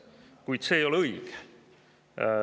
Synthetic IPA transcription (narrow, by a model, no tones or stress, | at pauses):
kujd̪̥se̞ːjo̞leɯjɡ̥